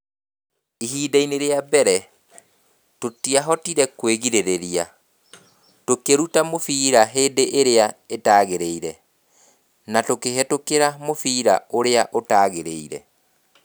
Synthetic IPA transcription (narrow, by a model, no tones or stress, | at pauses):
iɦiːdaineɾeabɛɾɛ | totiaɦɔtiɾɛkweɣiɾeɾeɾia | tokeɾutamofiːɾaɦeːndeʔeɾeaetaːɣeɾeiɾɛ | natokeɦɛtokeɾamofiːɾa̰oɾeaʔotaːɣeɾḛiɾɛ̰